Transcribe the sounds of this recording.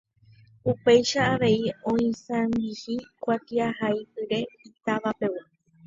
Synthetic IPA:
upe̞jʃaːʋe̞iõ̞ĩsãmbihikʷat̪iahajpɨɾe̞it̪aʋape̞wa

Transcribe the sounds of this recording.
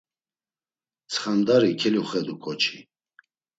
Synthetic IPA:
t͡sʰχamd̪aɾikʰɛluχɛd̪ukʰɔt͡ʃʰi

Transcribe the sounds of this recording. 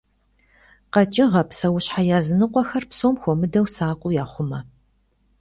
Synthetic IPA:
qɐt͡ʃʼɪʁɐpsɐwʊɕħajaːzɨnɨqʷʼɔxɐrpsoːmxʷɔmɨdɐwsaːqʷʼʊjaːχʷʊmɐ

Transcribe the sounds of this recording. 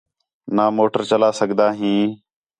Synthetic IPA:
naːmoːʈəɾt͡ʃəlaːsəɠd̪aːɦĩː

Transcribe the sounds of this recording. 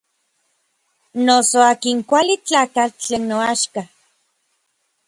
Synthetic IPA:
nosoaːkiŋkʷalit͡ɬaːkat͡ɬeːnːoaʃka

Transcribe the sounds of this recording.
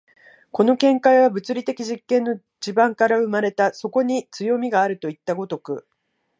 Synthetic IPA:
ko̞no̞kẽ̞ŋkaiβabɯ̟t͡sɨɾʲit̪e̞kʲiʑikːẽ̞nːo̞ | d͡ʑibãŋkaɾaɯ̟maɾe̞t̪aso̞ko̞ɲ̟it͡sɨjo̞mʲiɡaːɾɯ̟t̪o̞it̪ːaɡo̞t̪o̞kɯ̟̰

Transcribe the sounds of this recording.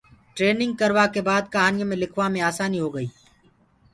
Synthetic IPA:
ʈɾeːnɪ̃ŋɡ̚kəɾʋaːkebaːd̪̚kəɦaːnɪjmẽlɪkʰʋaːmẽaːsaːniːɦoːɡəiː

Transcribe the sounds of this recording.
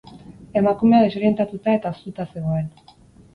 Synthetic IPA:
e̞makume̞aðe̞so̞ɾje̞nt̪at̪ut̪ae̞t̪ao̞st̪ut̪ase̞ɣ̞o̞e̞n

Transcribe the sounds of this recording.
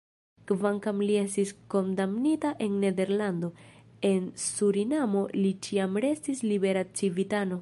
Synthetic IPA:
kvaŋkamlie̞stisko̞ndamnitaʔe̞nːe̞de̞ɾlando̞ | e̞nsuɾinamo̞lit͡ʃiamɾe̞stislibe̞ɾat͡sivitano̞

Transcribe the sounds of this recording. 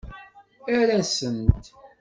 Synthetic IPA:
æɾæsənt̪

